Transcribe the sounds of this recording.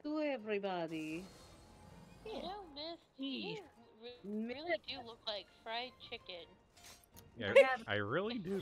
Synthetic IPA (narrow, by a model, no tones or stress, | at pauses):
ɡəɛvɹibɑɾi | jænoʊmɪsiɹmɪlˠidɨlʊklaɪkfɹaɪd̚t͡ʃʰɪkɨ̃n | aaɪɹɪlˠidɨ